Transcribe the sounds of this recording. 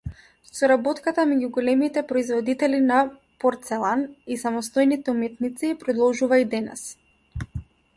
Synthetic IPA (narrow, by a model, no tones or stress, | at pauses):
sɔɾabɔt̪kat̪amɛɟuɡɔlɛmit̪ɛpɾɔizvɔd̪it̪ɛlina | pɔɾt̪sɛlˠanisamɔst̪ɔjnit̪ɛumɛt̪nit̪sipɾɔd̪ɔlˠʒuvaid̪ɛnɛ̰s